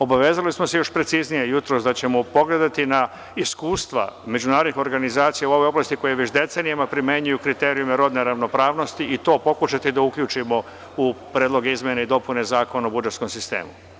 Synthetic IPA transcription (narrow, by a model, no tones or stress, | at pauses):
o̞baʋe̞ːzalismo̞se̞jo̞ʃpɾe̞t̪siznije̞jut̪ɾo̞ːsd̪at͡ɕe̞mopo̞ɡled̪at̪ina | iskuːst̪ʋa̰me̞d͡ʒunaːɾod̪nixo̞ɾɡanizaːt̪sijauo̞ʋo̞jo̞blast̪iko̞jeʋet͡ɕd̪e̞t̪seːnijamapɾime̞ɲujukɾit̪eɾijumeɾo̞d̪ne̞ɾaʋno̞pɾaːʋno̞st̪iit̪o̞ːpo̞kuʃat̪id̪aukʎuːt͡ʃimo̞ | upɾeːd̪lo̞ɡeizmjenaid̪o̞pune̞zaːko̞naobud͡ʒe̞t̪sko̞msist̪ḛːmṵ